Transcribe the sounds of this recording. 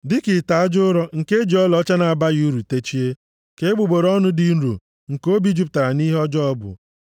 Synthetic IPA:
dɪ˦kɪ˨ta˨a˦d͡ʒʊ˦ɾɔ˦ŋ̩˨ke˦d͡ʒi˨˦ɔ˦lɔ˦t͡ʃa˦na˨a˨ba˦ɣi˦u˦ɾu˨te˦t͡ʃi˦e˦ | ke˨e˦ɡ͡bu˨ɡ͡bo˨ɾɔ˦nʊ˦di˦n̩˦ɾṵ˨ | ŋ̩˨ko˦bi˦d͡ʒi˦p̬̚ta˨a˨ni˦ɦɔ˦d͡ʒɔ˦ɔ˦bʊ̰˨

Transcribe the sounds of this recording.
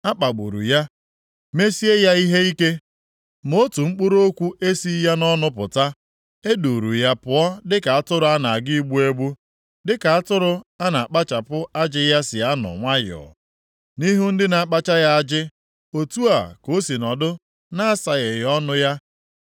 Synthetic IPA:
a˦k͡pa˨ɡ͡bṵ˨ɾṵ˨ja˦ | me˦si˦e˦ja˦i˦ɦe˦i˦ke˦ | mo˦tu˨ŋ͡m̩˦k͡pʊ˦ɾo˦kʷu˦ʔe˦si˦ja˦nɔ˦nʊ˦pʊ̰˨ta˦ | e˦du˨ɾu˨ja˦pʊ˨ɔ˦dɪ˦ka˨a˦tʊ˦ɾʊ˨˦a˦na˨a˨ɡi˦i˦ɡ͡bu˦e˦ɡ͡bu˦ | dɪ˦ka˨a˦tʊ˦ɾʊ˦a˦na˨a˨k͡pa˦t͡ʃa˨pʊ˦a˦d͡ʒɪ˦ja˦sɪ˨a˦nʊ̰˨ŋʷa˦j̰ɔ̰˨ | ni˦ɦu˦n̩˦dɪ˦na˨a˨k͡pa˦t͡ʃa˦ja˦a˦d͡ʒɪ˦ | o˨tu˦a˨ko˦si˨nɔ˨dʊ˦ | na˦a˦sa˨ɣɪ˨jɔ˦nʊ˦ja˦

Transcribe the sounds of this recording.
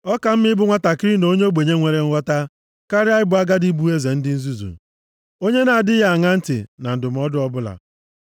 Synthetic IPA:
ɔ˦ka˨m̩˦mɪ˦ɪ˦bʊ˦ŋʷa˦ta˨kɪ˦ɾi˦no˦ɲe˦o˦ɡ͡be˨ɲe˦ŋʷe˨ɾe˨ŋ̩˦ɔ˦ta˦ | ka˦ɾɪ˦a˦ɪ˦bʊ˦a˦ɡa˦di˦bu˦e˦ze˨n̩˦dɪ˦n̩˦zu˦zṵ˨ | o˦ɲe˦na˨a˨dɪ˦ɣa˦a˨ŋa˦n̩˦tɪ̰˨na˨n̩˨dʊ˨m̩˨˦ɔ˦dʊ˦ɔ˦bʊ˦la̰˨

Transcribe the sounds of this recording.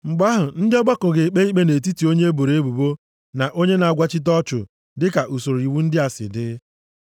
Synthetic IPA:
ŋ͡m̩˨ɡ͡ba˦ɦʊ˨n̩˦dɪ˦ɔ˦ɡ͡ba˦kʊ˨ɣe˨k͡pe˦i˦k͡pe˦ne˨t̬i˦ti˨o˦ɲe˦e˦bo˨ɾe˨˦e˦bu˨bo˦ | na˨ʔo˦ɲe˦na˨a˨ɡʷa˦t͡ʃɪ˦t̬ɔ˦t͡ʃʊ̰˨ | dɪ˦ka˨ʔu˨so˨ɾi˨wu˦n̩˦dɪ˦a˨sɪ̰˨dɪ˦

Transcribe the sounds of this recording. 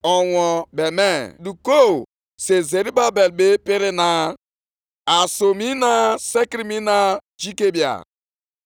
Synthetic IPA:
ɔ˨wʷɔ˨be˨me˦du˨ko˦˨ | se˨ze˨ɾi˦ba˦be˨lbe˦pi˦ɾɪ˦na˨ | a˨so˨mi˦na˦se˦kɾi˦mi˦na˨ | d͡ʒi˦ke˦bja̰˨

